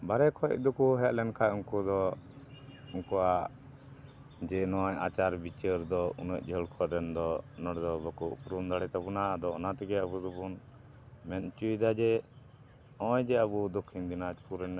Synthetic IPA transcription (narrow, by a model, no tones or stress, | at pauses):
baɾɛkʰɔ̰c̚d̪ɔkuɦɛʔlɛnkʰaʔuŋkud̪ɔ | uŋkɔaʔ | d͡ʒɛnɔja̰t͡ʃaɾbit͡ʃəɾd̪ɔunəc̚ˀd͡ʒʱəlkʰɔɾɛnd̪ɔnɔɽd̪ɔbəkuʔpuɾund̪aɽɛt̪abunad̪ɔɔnat̪ɛɡɛəbud̪ubun | mɛnt͡ʃuid̪ad͡ʒɛ | ɔ̃jd͡ʒɛəbud̪ɔkʰːind̪inad͡ʒpuɾɛn